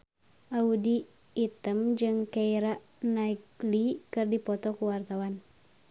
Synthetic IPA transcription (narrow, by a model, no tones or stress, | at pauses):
ʔaudiː | t̪əmd͡ʒɨŋkaiɾaʔ | naiɡlikɨrdipɔt̪ɔkuwart̪awan